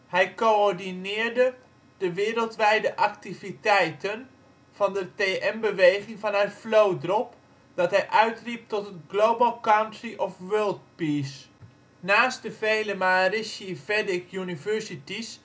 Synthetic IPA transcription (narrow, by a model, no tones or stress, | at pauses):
hɛjkoɔɹdinɪːɹdə | dəʋɪːɾəlˠtʋɛjdəʔak̚tivitɛjtən | fɑndəteːʔɛmbəʋejχɪŋfɑnərflowdrɔp | d̥ɑtɦɛjʔœɥtrip̚tɔtətɡ̥lowbəlˠkawntriʔɔfʋøːlˠt̚piːs | naːst̚dəvejləmarɪsivɛdɪkjunivɛɹsitis